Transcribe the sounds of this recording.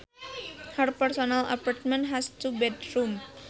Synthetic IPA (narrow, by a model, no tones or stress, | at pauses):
hərpɛrsɔnala̰part̪̚mɛ̃nɦast̪ubɛdɾum